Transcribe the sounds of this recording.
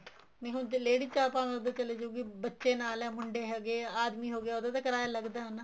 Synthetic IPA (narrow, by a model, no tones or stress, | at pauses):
nẽɦʊnd͡ʒleːɽiːt͡ʃaːpãːnd̪ekəleːd͡ʒoːɡiːbətːʃeːnaːlɛ̃ːmʊɳɖeːɦɛɡeːaːd̪miːɦoːɡɪjaːod̪aːt̪aːkəɾaːjaləɡd̪aːɦənː